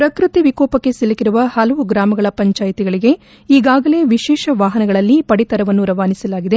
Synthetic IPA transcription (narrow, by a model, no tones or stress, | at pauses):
pɾɐkɾut̪iʋikɔːpɐkːe̞silːɐkiɾuʋɐhɐlɐʋuɡɾaːmɐɡɐɭɐpɐɲt͡ʃaːjt̪iɡɐɭiɡe̞ | iːɡaːɡɐle̞ːʋiʃɛːʃɐʋaːɦɐnɐɡɐɭɐlːipɐɽit̪ɐɾɐʋɐnːuɾɐʋaːnisɐlaːɡid̪e